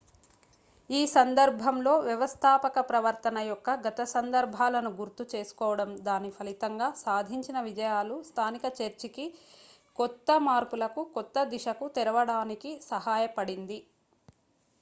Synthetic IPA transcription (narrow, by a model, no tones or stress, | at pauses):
iːsɐnd̪ɐɾbʱɐmlo̞ːʋjɐʋɐst̪ʰaːpɐkɐpɾɐʋɐɾt̪ɐnɐjɔkːɐɡɐt̪ɐsɐnd̪ɐɾbʱaːlɐnuɡuɾt̪ut͡ʃe̞ːsu̥kɔːʋɐɽɐmd̪aːnipʰɐlit̪ɐŋɡaːsaːd̪ʱiɲt͡ʃinɐʋid͡ʒɐjaːlust̪ʰaːnikɐt͡ʃeɾt͡ʃiki | kɔt̪ːɐmaːɾpulɐkukɔt̪ːɐd̪iʃɐkut̪ɛɾɐʋɐɽaːnikisɐɦaːjɐpɐɽind̪i